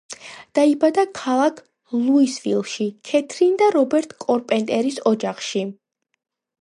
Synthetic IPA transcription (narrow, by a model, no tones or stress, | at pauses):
d̪̥aibad̪akʰalˠakʰ | lˠuisvilˠʃikʰɛt̪ʰɾind̪aɾɔbɛɾt̪ʼkʼɔɾpʼɛnt̪ʼɛɾisɔd͡ʒaχʃi